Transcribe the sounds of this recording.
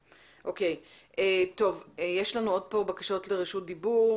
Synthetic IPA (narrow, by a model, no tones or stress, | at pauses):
ʔokej | ʔeto̞vjeʃlanuo̞d̚po̞bakaʃo̞tleʁiʃut̚d̪ibuʁ